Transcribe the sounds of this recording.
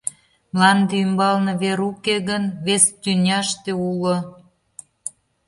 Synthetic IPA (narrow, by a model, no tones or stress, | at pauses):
mlɑnd̪eymbɑlnɤ̆βeɾukeɣənβest̪ynʲɑʃt̪eulŏ